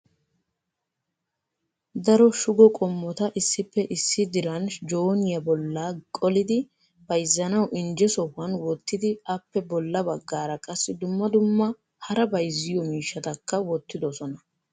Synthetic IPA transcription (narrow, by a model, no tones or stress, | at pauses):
d̪ɐɾɔʃʊɡɔkʼɔmːɔt̪ɐʔɪsːɪpːɛʔɪsːɪd̪ɪɾɐnd͡ʒoːnɪjɐbɔlːaːkʼɔlɪd̪ɪ | b̥ɐjzːɐnɐwʔɪnd͡ʒɛsɔwɐnwɔt̪ːɪd̪ɪɐpːɛbɔlːɐbɐɡːaːɾɐkʼɐsːɪd̪ʊmːɐd̪ʊmːɐ | hɐɾɐbɐjzːɪjɔmiːʃːɐt̪ɐkːɐwɔt̪ːɪd̪ɔsɔnɐ